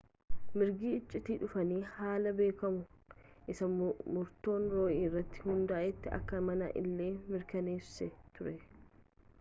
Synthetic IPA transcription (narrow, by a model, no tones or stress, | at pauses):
mɪɾɡiːɪt͡ʃʼːɪt̪iːᶑʊfɐniːhaːlɐbe̞ːkɐmʊ | ʔɪsɐmʊɾt̪o̞ːnɾo̞ːʔiːrːɐt̪ːɪ̥hʊnd̪ɐʔʔɛt̪ːɪʔɐ̰kːɐmɐnɐ̰ʔɪ̰lːe̞ːnmɪɾkɐneːfsɛt̪ʊɾɛ